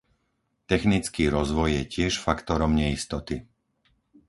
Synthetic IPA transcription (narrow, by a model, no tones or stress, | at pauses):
t̪ɛxnit͡skiːɾɔzʋɔjjɛcɪɛʃfakt̪ɔɾɔmɲɛist̪ɔt̪i